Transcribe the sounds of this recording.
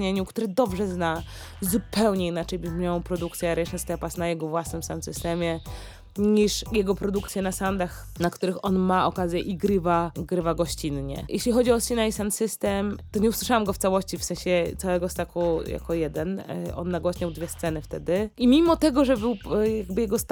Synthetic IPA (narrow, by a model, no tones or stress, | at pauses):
ɲeɲukt̪uɾɛd̪ɔbʐɛzna | zupɛwɲɛinat͡ʂɛjbɘmɲawɔ̃wpɾɔd̪uk̚t̪sʲjɛɾɛjʂɛnst̪ɛpasnajɛɡɔvwasnɘmsansɨst̪ɛmʲjɛ | ɲiʂjɛɡɔpɾɔd̪ukt̪sʲjɛnasand̪ax | nakt̪uɾɘxɔnmaʔɔkazʲjɛʔiɡɾɘvaɡɾɘvaɡɔɕt͡ɕinɲɛ̰jɛɕlʲixɔd͡ʑiɔsinaisansɘst̪ɛmt̪ɔɲɛuswɘ̥ʂawamɡɔft̪sawɔɕt͡ɕifsɛ̃ɕɛt̪sawɛɡɔst̪akuja̰kɔjɛd̪ɛnʔɔ̰nːaɡwɔɕɲawd̪vʲjɛst̪sɛnɘft̪ɛd̪ɘʔimʲimɔt̪ɛɡɔʐɛbɘwjaɡbɘjɛɡɔst̪